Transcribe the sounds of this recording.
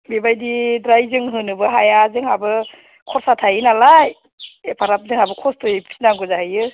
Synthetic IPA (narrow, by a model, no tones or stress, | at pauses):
bibajdidɾajzɯŋɦɯnɯbɯɦajazɯŋhabɯ | kʰɔɾsatʰajɯnalaj | epʰaɾap̚zɯŋabɯkʰɔstʰɔjpʰi̥naŋɡɔzahɯjɯ